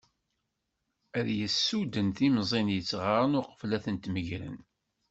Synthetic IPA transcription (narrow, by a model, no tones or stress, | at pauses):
æðjəsːud̪ənθimzˤinjət͡sːʁaɾˤənʊqə̥flæθənt̪məʝɾə̰n